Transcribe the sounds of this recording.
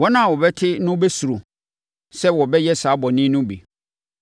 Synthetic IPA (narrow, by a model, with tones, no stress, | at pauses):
wɔ˦nã˦˨wɔ˨bɛ˦tʰɪ˦nʊ̃˦bɛ˦su˨ɾo˨ | sɛ˦wɔ˨bɛ˦jɛ˦saː˨˦bɔ˨nɪ̃˦nʊ̃˦bḭ˨